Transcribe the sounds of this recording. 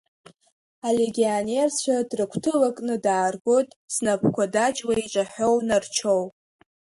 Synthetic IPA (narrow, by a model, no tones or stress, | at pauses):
aleɡʲione̞rt͡ɕʷʰadrɨkʷʰtʰɨlakʼnɨdaːrɡʷotʼsnapʰkʷʰadat͡ʃʼwait͡ʃʷʼaħo̞wnart͡ʃʰow